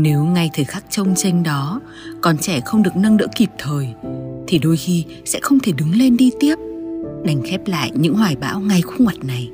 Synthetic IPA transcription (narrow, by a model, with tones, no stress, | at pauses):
ne˨˦wŋa˧jt̪ʰəː˨˩jxaː˦˥k̚t͡ɕə˧wŋ͡mt͡ɕe˧ŋ̟ɗɔ˨˦ | kɔ˨˩nt͡ɕɛ˧˩xə˧wŋ͡mɗɨ˨˩ək̚nə˧ŋɗɨ̰˧˥ki˨˩p̚t̪ʰəː˨˩jt̪ʰi˨˩ɗo˧jxi˧ | sɛ̰˧˥xə˧wŋ͡mt̪ʰe˧˩ɗɨ˨˦ŋle˧nɗi˧t̪i˦˥əp̚ɗa˨˩jŋ̟xɛ˦˥p̚la̰ː˧˨jɲɨ̰˧˥ŋhwaː˧˩jɓa̰ː˧˥wŋa˧jxu˧ŋwa˨˩t̚na˨˩j